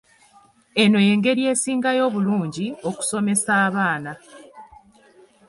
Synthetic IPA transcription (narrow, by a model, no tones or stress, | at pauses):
e̞no̞je̞ːŋɡe̞ɾie̞ːsiːŋɡajo̞ːβuluːɲɟio̞ku̥so̞me̞saːβaːna